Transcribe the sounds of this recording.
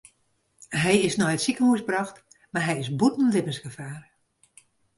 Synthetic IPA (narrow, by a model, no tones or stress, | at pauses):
ɦɛjɪsnɔjətsikənhuəsbrɑxt | maɦɛjɪsbutn̩lɪpənsɡəfaːr